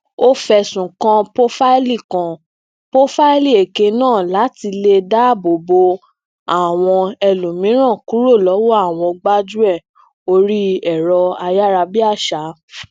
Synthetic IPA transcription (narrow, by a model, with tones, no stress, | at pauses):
o˦fɛ˧sũ˨kã˧po˦fa˦i˦li˦˨kã˨ | po˦fa˦i˦li˦˨e˨ke˧nãː˦˨la˨˦ti˧le˧da˦˨bo˨bo˧ | a˦˨w̃ɔ̃˧ɛ˧lũ˨mĩ˨˦ɾ̃ã˦˨ku˨˦ɾo˦˨lɔ˨˦wɔ˦a˦˨w̃ɔ̃˧ɡ͡ba˦d͡ʒu˦ɛ˦˨ | o˧ɾi˦ɛ˦˨ɾɔ˧a˧ja˦ɾa˧bi˦a˦˨ʃa˨˦